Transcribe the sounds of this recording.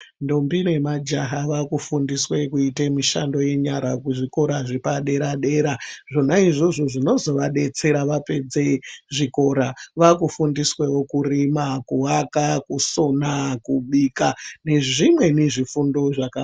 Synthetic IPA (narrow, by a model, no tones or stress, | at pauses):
ndombine̞mad͡ʒaɦaʋakufundiswe̞kuitemiʃa̰ndo̞je̞ɲaɾakuʐiko̞ɾaʐipaɗe̞ɾaɗe̞ɾaʐo̞naiʐo̞ʐoʐino̞zo̞ʋaɗe̞t͡se̞ɾaʋape̞d͡zeʐiko̞ɾaʋakufundiswe̞wo̞kurimakuwakakuso̞nakuɓikane̞ʐimwe̞neʐifundo̞ʐaka